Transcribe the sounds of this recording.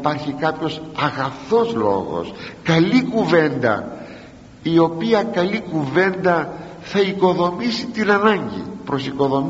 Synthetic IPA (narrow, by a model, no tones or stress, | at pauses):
pɐɾçikɐpçosɐɣɐθo̞zlo̞̰ɣo̞̰skɐlikuve̞nd̪ɐ̰ | io̞piɐkɐlikuve̞nd̪ɐ | θɐiko̞ðo̞misit̪inɐnɐɲɟḭpɾo̞siko̞ðo̞m